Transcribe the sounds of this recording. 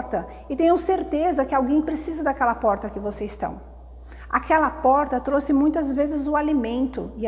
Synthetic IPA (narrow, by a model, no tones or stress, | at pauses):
ɾt̪ɐ | ɪt̪ẽj̃ʊseɾt̪ezɐkɪawɡẽj̃pɾesizɐd̪akɛlɐpɔɾt̪ɐkɪvosest̪ɐ̰̃w̃ | a̰kʰɛlɐpɔɾt̪ɐt̪ɾosɪmũj̃t̪ɐzvezɪzʊalimẽnt̪ʊ̰ɪ